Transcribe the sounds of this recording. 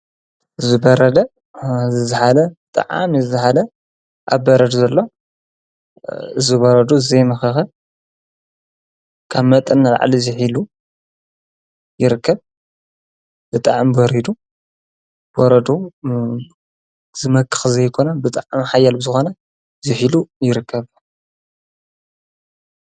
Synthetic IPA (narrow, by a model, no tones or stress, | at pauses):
ʔɨzɨbɐɾɐd̪ɐ | zɨzɨħalɐt̪ʼa̰ʕa̰mzzɨħalɐ | ʔa̰βbɐɾɐd̪uzɐlːo̞ | ɨzɨboɾɐd̪uɨzejmɐxɐxɐ | kʰaβmɐt̪ʼɐnːala̰ʕ̰liziħilu | jɪɾɨkʰːɐβ | b̥ɨt̪ʼaʕmboɾid̪u | b̥oɾɐd̪u | z̥ɨmɐkʰʼːɨ̥xzɐjkʰo̞nɐbɨt̪ʼaʕmħajalbɨzɨxo̞nɐ | zɨħilujɪɾɨkʰːɐβ